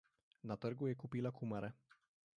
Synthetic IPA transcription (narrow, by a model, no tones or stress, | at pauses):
nat̪ɛɾɡujɛkupʲilakumaɾɛ